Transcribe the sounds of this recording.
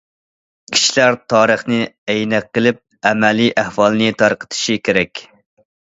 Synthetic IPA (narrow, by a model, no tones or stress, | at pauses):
kʲʰi̥ʃlæɾt̪ʰɑːɾəχnɨɛjnɛqːəlˠɪp̚ɛmɛliʔæhwɑlˠnɨt̪ʰɑɾqʰə̥t̪ʰɨ̥ʃikʲʰeɾɛkʲ